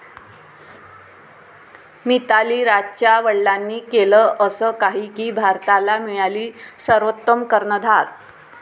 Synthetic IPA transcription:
mit̪aliːɾat͡ɕjaʋəɭlanːiːkeləəsəːkaɦiːkiːbʱaɾt̪alamiɭaliːsəɾʋət̪ːəmkəɾɳəd̪ʱaɾ

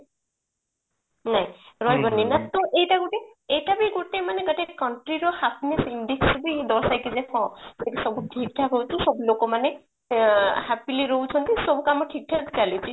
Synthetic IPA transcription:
naj̃ɹɔjbɔninat̪ɔʔejtaɡuʈeejtabiɡuʈemaneɡɔtekɔɳʈɾiɾɔhapnisindiksbid̪ɔɾsajkizehɔ̃tetekisɔbuʈʰik̚ʈʰakɔwtʰisɔbulokɔmane | hapiliɾowt͡ʃʰɔnt̪isɔbukamɔʈʰik̚ʈʰat̪ʰikalit͡ʃʰi

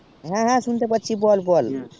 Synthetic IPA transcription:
ɦãɦãsunt̪epətːt͡ʃʰibɔlbɔl

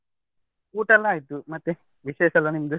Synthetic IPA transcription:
uːʈɐlːɐaːjit̪umɐt̪ːe | ʋiʃeːʃɐlːɐnimɐd̪u

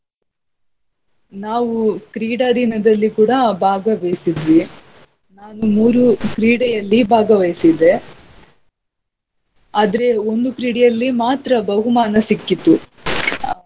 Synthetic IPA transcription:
naːʋukɾiːɽad̪ʱinɐd̪ɐlːikuːɽɐbʱaːɡɐʋejsid̪ʋi | naːnumuːɾukɾiːɽɛjɐlːibʱaːɡɐʋɐjsid̪e̞ | aːd̪ɐɾe̞o̞nd̪ukɾiːɽɛjɐlːimaːt̪ɾɐbɐɦumaːnɐsikːit̪ːu

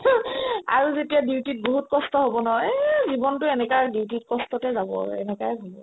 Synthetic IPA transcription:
a̰ɹuzetijadiwtit̚boɦut̚kɔstɔɦobɔnɔzibɔntʊɛnɛkadiwtit̚kɔstɔtɛzabɔ̰ɛ̰nɛkajɦubɔ

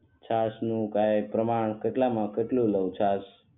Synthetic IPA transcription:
t͡ʃʰasnũkaepɾəmaɳkeʈlamãkeʈlũləwt͡ʃʰas

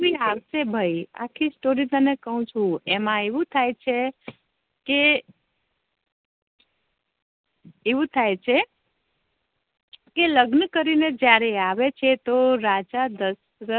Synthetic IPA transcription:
kiaʋʃebʱaia̰kʰisʈoɾit̪ənekəɦũt͡ʃʰũemãeʋũt̪ʰajt͡ʃʰe | ke | eʋũt̪ʰajt͡ʃʰe | keləɡnəkəɾined͡ʒjaɾeaʋet͡ʃʰet̪oɾad͡ʒad̪əs | ɾə

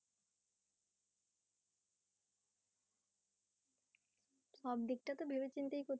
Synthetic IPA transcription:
ʃɔb̚d̪ik̚ʈat̪obʱibet͡ɕint̪ejkot̪

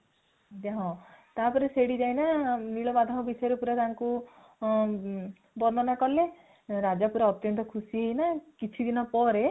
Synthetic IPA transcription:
d͡ʒaɦɔ̃t̪apɔɾeseɽid͡ʒajnaniɭɔbad̪ʱaɦɔbisɔjɔɾɔpuɾat̪aŋku | bɔnɔnakɔle | ɾad͡ʒapuɾaɔt̪jɔnt̪ɔkʰusiɦeinakit͡ʃʰid̪inɔpɔɾe

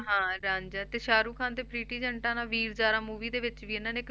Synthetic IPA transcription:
ɦãːɾãːɲd͡ʒaːt̪eːʃaːɾuːkʰãːnd̪eːpɾiːʈiːd͡ʒəɳʈãːnãːʋiːɾd͡ʒaːɾaːmuːʋiːd̪eːʋɪt͡ʃʋiːɪnãːneːk

